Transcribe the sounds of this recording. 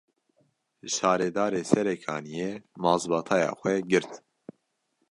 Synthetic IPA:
ʃɑːɾɛd̪ɑːɾeːsɛɾɛkʰɑ̰ːnijeːmɑːzbɑːt̪ʰɑːjɑ̰ːxʷɛɡɨɾt̪

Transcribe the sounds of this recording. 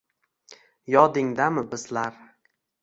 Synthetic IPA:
jɒd̪ɪŋd̪amɪbɪzlaɾ

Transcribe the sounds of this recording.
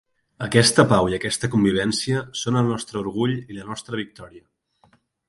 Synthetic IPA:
əkɛst̪əpawiəkɛst̪əkumbiβ̞ɛnsiəsonəlˠnɔst̪ɾəuɾɣ̞uʎilənɔst̪ɾəβ̞ik̚t̪ɔɾiə

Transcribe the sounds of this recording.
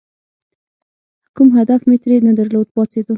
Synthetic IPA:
kumɦad̪afmet̪ɾenad̪aɾlod̪̚pɑt͡sed̪u

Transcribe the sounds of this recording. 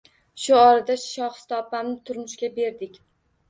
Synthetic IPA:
ʃʊɒɾad̪aʃʃɒχst̪ʰɒpamnɪt̪ʰʊɾmʊʃkʲabe̞ɾd̪ɪkʲ

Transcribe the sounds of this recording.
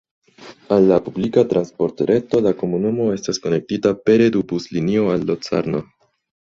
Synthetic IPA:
alːapublikatɾanspo̞ɾtɾʔe̞to̞lako̞munumo̞e̞stasko̞ne̞k̚titape̞ɾe̞dubuslinio̞alːot͡sa̰ɾno̞

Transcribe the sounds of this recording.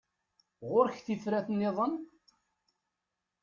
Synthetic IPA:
ʁʊɾçθiθɾæθənːɪðˤən

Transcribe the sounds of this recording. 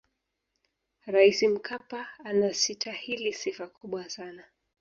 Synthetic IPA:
ɾaisim̩kʰapaːnasitʰahilisifakuɓwasana

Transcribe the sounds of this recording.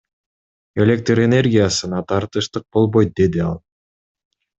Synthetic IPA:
elʲe̞k̚t̪rene̞rɡʲijasɯnɑt̪ʰɑɾt̪ɯʃt̪ɯq̚bo̞lˠbojt̪̚d̪e̞d̪iɑlˠ

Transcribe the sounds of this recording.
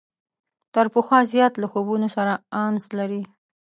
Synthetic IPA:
t̪aɾpəxwɑzjɑt̪laxobunosaɾaɑnzlaɾi

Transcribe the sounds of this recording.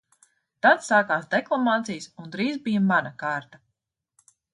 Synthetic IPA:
t̪at̪saːkaːsd̪ɛklˠamaːt̪sijsund̪ɾiːzbijamanakaːɾt̪a

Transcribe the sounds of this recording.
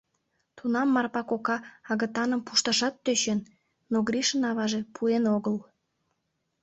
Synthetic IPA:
t̪unɑmːɑrpɑkokɑɑɣə̆t̪ɑnəmpuʃt̪əʃɑt̪ːøɕenː | oɣɾʲiʃənɑβɑʒe̽pʰuenoɣəl

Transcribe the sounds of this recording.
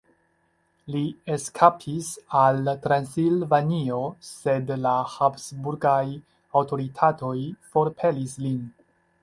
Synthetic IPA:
lieskʰapʰisaltɾansilvanio̞se̞dlahapsbuɾɡaj | awto̞ɾitʰato̞jfo̞ɾpʰe̞lislin

